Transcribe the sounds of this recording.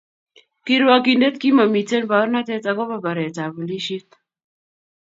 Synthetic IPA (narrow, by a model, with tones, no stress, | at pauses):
ki˦ɾwa˦ki˦nde˦t̪̚ki˦ma˨mi˨te˦nba˨˦ɾna˦tɛ˦ta˨kɔ˦ba˦ba˨ɾɛ˨ta˨bu˨li˦ʃi˦t̪̚